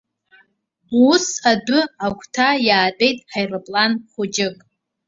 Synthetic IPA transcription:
usadʊakʷʰʼtʰajaːtʼe̞jtʼħajrɨpʼlanχʷʊd͡ʒɪkʼ

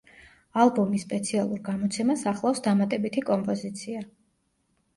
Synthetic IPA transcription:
alˠbɔmisːpʼɛt̪sʰialˠuɾɡamɔt̪sʰɛmasaχlˠafsd̪amat̪ʼɛbit̪ʰikʼɔmpʼɔzit̪sʰia

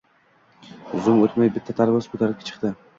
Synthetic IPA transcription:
ʊzʊmot̪majbɪt̪ʰːat̪ʰaɾbaskʰɵt̪ʰaɾɪp̚kʲʰḁt͡ʃʰɨ̥qt̪ɪ

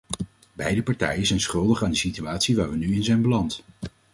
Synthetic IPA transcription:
bɛjdəpɑɹtɛ̰jənzɛjnsχɵlˠdəχaːndəsityaːtsiʋaːɹʋənyɪnzɛjnbəlɑnt

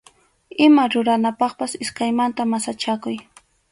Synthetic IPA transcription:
ɪmaɾʊɾanapɑχpasɪskajmant̪amasat͡ʃakʊj

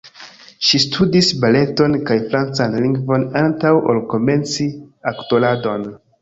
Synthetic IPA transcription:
ʃistʰudisbale̞to̞nkajfɾant͡sanliŋɡvo̞nantawʔo̰lko̞me̞nt͡siakto̞lado̞n

